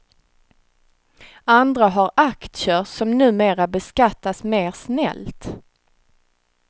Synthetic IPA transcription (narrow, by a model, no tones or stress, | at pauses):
and̪ɾaɦaɾakt̪ʂəsɔmnʉ̟ːmeːɾabɛskat̪ːasmeːɾsnɛ̰lt̪